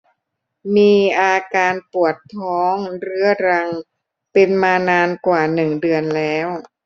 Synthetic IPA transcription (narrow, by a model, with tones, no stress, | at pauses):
miː˧ʔaː˧kaː˧npu˨˩ət̪ʰːɔː˦˥ŋɾɯ˦˥ɐɾa˧ŋ | pe˧nmaː˧naː˧nkwaː˨˩nɯ˨˩ŋdɯ˧ənlɛː˦˥w